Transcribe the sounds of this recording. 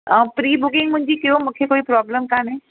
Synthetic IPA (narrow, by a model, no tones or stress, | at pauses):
əːpɾiːbʊkɪ̃ŋɡmʊ̃ɦɪ̃ɲd͡ʑikijomũːkʰekoːipɾɔːbləmkaːnẽ